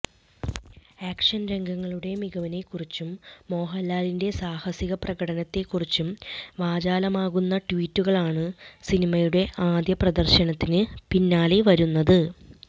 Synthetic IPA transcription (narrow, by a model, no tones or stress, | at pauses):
aːkʂɐnɾe̞ŋɡɐŋːɐɭuɽe̞miɣɐʋine̞kːurit͡ɕːumːo̞ːɦɐlːaːlinde̞saːhɐsiɣɐprɐɣɐɽɐnɐt̪ːe̞kːurit͡ɕːumʋaːd͡ʑaːlɐmaːɣunːɐʈʋiːtːuɣɐɭaːɳɨsinimɐjuɽe̞ʔaːd̪jɐprɐd̪ɐrɕɐɳɐt̪ːinɨpinːaːleʋɐɾunːɐðɨ